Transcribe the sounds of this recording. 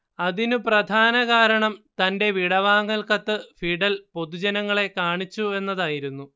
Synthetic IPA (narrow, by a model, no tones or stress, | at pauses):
ɐðinuprɐd̪ʱaːnɐɣaːɾɐɳɐmt̪ɐnde̞ʋiɽɐʋaːŋːɐlkɐt̪ːɨfiɽɐlpo̞ðud͡ʑɐnɐŋːɐɭe̞kaːɳit͡ɕːue̞nːɐðaːjiɾunːu